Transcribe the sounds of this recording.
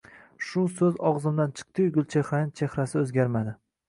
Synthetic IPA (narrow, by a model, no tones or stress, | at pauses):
ʃʊsɵzɒʁzɪmd̪ant͡ʃʰɨ̥q̚t̪ʰɪjʊɡʲʊlˠt͡ʃʰe̞hɾanɪnt͡ʃʰe̞hɾasɪɵzɡʲaɾmad̪ɪ